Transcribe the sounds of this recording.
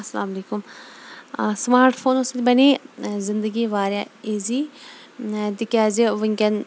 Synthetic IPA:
ɐsɐlaːmleːkʊm | smaːɾʈpʰoːnosɐd̪bɐneːzɪnd̪əɡiːʋaːɾjaːeːziː | t̪ɪkaːzeʋɪŋkɐn

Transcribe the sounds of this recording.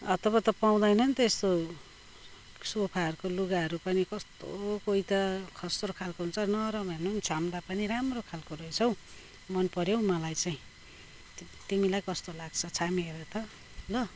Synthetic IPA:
ʌt̪ʌβʌt̪ʌpaw̃d̪ʌjnʌnt̪est̪o | sopʰaɦʌɾukoluɡaɦʌɾupʌnikʌst̪okoit̪ʌkʰʌst̪rokʰalkoɦunt͡sʰʌnʌɾʌbʱenont͡sʰamd̪apʌniɾamrokʰalkoɾʌjt͡sʰʌw̃ | mʌnpʌɾjow̃mʌlajt͡saĩ | t̪imilajkʌst̪olaɡt͡sʰʌt͡sʰamieɾot̪ʌ | lʌ

